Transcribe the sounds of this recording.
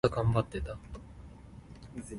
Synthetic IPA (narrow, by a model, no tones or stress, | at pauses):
aɡãmbat̪ːe̞t̪a